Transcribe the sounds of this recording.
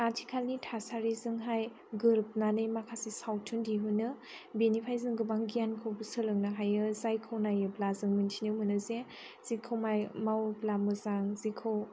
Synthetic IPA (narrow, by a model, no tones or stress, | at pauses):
atʰi̥kʰalnitʰasaɾizɯŋɦaj | ɡɯɾp̚nanɯjmakʰasisawtʰundiɦunɯ | benipʰajzɯŋɡɯbaŋɡijankʰɯwbɯsɯlɯŋnaɦajɯzajkʰɯwnajɯblazɯŋmɯntʰinɯwmɯnɯze | z̥ikʰɯwmajmawblamɯzaŋzikʰɯw